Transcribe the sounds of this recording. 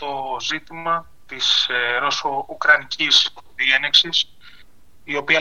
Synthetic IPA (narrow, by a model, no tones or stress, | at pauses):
t̪o̞zit̪imɐ | t̪isɾosoukɾɐnicisðieneksis | io̞piɐ